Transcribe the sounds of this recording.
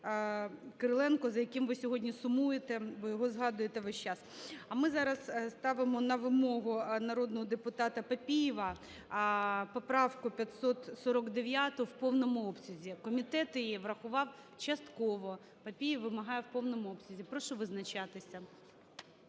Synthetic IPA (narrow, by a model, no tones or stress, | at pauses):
kɐɾɪlˠɛnkɔzɐjɐkɪmʋɪsʲɔɦɔdʲnʲisʊmujet̪ɛbɔjɔɦɔzɦɑd̪ʊjet̪ɛʋɛʃt͡ʃɑsɐmɪzɑɾɐsst̪ɑʋɪmɔnɐʋɪmɔɦʊnɐɾɔd̪nɔɦɔd̪epʊt̪ɑt̪ɐpɐpʲijɪʋɐ | pɔpɾɑwkʊpʲjɐt̪sɔt̪sɔɾɔkd̪eʋʲjat̪ʊwpɔwnɔmʊɔpsʲʊzʲikɔmʲit̪ɛt̪jɛʋrɐxʊʋɑwt͡ʃɐst̪kɔʋɔ | pɐpʲijɪʋʋɪmɐɦɑjɛwpɔwnɔmʊɔpsʲʊzʲipɾɔʃɔʋɪznɐt͡ʃɑt̪ɪsʲɐ